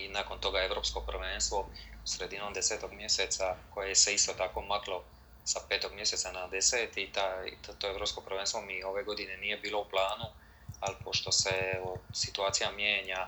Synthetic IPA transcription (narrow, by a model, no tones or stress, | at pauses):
inaːko̞nt̪o̞ɡae̞vɾo̞psko̞pr̩ʋeːnst̪ʋo̞usɾed̪ino̞ːmd̪ese̞t̪o̞ɡmje̞se̞t̪sako̞jejese̞ist̪o̞t̪ako̞maklo | sape̞ːt̪o̞ɡmje̞se̞t̪sanad̪eseːt̪it̪at̪t̪oevɾo̞psko̞pɾʋeːnst̪ʋo̞mio̞ʋe̞ɡo̞d̪ine̞niːje̞biːlo̞uplˠaːnu | alipo̞ʃt̪o̞seosit̪uaːt̪sijamjeːɲa